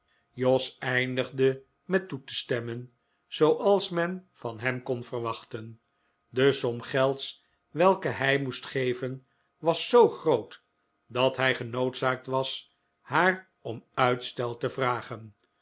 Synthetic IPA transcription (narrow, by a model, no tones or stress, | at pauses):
jɔsɛjndəχdə | mɛtutəstɛmən | z̥owʔɑlˠsmɛnvɑnɦɛmkɔnvərʋɑχtən | dəsɔmχɛlˠts | ʋɛlˠkəɦɛjmustχejvən | ʋɑsːowχrowt | dɑtɦɛjχənowtsaːk̚tʋɑs | haːr | ɔmœɥtstɛlˠtəvraːχən